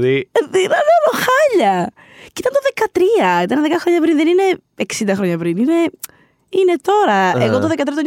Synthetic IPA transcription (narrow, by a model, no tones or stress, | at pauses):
iðinɐnɐloxɐʎɐ | cit̪ɐnt̪oðekɐt̪ɾiɐit̪ɐnðekɐxɾo̞ɲɐpɾinðenine̞ | eksind̪ɐxɾoɲɐpɾinine̞ | inet̪o̞ɾɐeɣot̪oðekɐt̪ɾiɐt̪oɲ